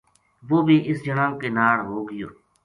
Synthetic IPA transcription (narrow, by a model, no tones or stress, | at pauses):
ʋoːbʱiːʔɪsd͡ʒəɽãːkeːnaːɽɦoːɡɪjoː